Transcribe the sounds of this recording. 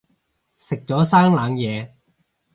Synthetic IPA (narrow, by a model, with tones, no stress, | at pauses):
sɪ˨k̚t͡sɔː˨˥saː˥ŋlaː˨˧ŋjɛː˨˧